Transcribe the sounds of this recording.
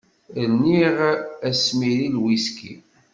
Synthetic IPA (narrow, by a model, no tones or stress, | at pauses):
lniʁæsmiɾilwiskḭ